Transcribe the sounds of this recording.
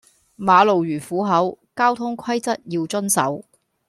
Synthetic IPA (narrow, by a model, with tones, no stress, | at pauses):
maː˨˧lo˨wjyː˨˩fuː˨˥ɦɐ˨˥wkaː˥wt̪ʰʊ˥ŋkʰɐ˥jt͡sɐ˥t̚jiː˧wt͡sɵ˥nsɐ̰˨˥w